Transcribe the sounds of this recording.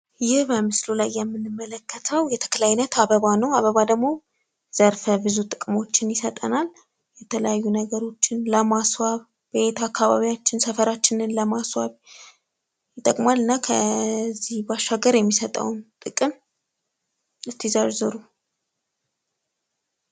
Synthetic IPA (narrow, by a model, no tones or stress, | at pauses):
jɪhbəmɨslulajːɛmːɨnɨmːələkʰːət̪ʰəwjɛt̪ʰə̥kʰəlajnət̪aβəβanəwaβəβad̪əɡmo̞ | z̥əɾfəβɨzut̪ʼɨkʼɨmo̞t͡ʃːɪnjɪsət̪ʼə̰nal | jɛt̪ʰələ̰jajːunəɡəɾo̞t͡ʃːɪnləmaswaβ | be̞t̪ʰakːaβa̰βijat͡ʃːɪnsəfəɾat͡ʃːɪnɨnləmaswaβ | jɪt̪ʼːəkʼmalɨnːakʰəzihbaʃːaɡəɾjɛmːisət̪ʼə̰wnt̪ʼɨkʼɨm | ɨst̪ʰizaɾzɨɾu